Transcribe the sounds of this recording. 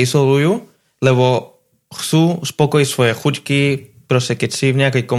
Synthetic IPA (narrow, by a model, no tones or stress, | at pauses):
izɔlujuː | lɛbɔ | xt͡suːspɔkɔjicsʋɔjɛxuckipɾɔscɛkɛcsivɲɛakɛjkɔ